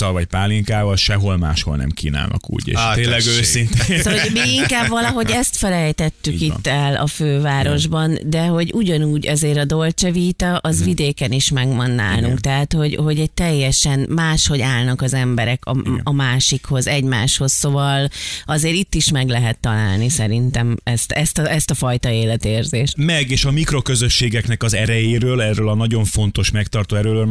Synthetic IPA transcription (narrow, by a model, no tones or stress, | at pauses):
ɒlvɒcpaːliŋkaːvɒlʃɛɦo̞lma̰ːʃho̞̰lnɛ̰mkiːna̰ːlnɒ̰kṵːɟḛːʃeːlːɛɡøːsint̪tomiiŋkaːbvɒlɒɦo̞ɟɛst̪fɛlɛjt̪ɛt̪ːykit̪ːɛlɒ̰føːvaːɾo̞ʒbɒnd̪ɛɦo̞ɟuɟɒnuːɟɒzeːɾɒd̪olt͡ʃɛviːt̪ɒʔɒzvid̪eːkɛniʃmɛɡmɒnːa̰ːlnṵŋkt̪ɛɦaːt̪ho̞ɟho̞ɟɛc̚t̪ɛjːɛʃɛnmaːʃho̞ɟaːlnɒkɒzɛmbɛɾɛkʰɒ̰ɒmaːʃikho̞zɛɟmaːʃho̞ssovɒlɒzeːɾit̪ːiʃmɛɡlɛɦɛt̪ːɒla̰ːlnisɛɾint̪ɛmɛst̪ɛst̪ɒɛst̪ɒfɒjt̪ɒeːlɛt̪eːrzeːʃmɛɡeːʃɒmikro̞køzø̞ʃːeːɡɛknɛkɒzɛɾɛjeːɾøːlɛrøːlɒnɒɟo̞ɱfo̞nt̪o̞ʃmɛkt̪ɒrt̪oːɛɾøːløːl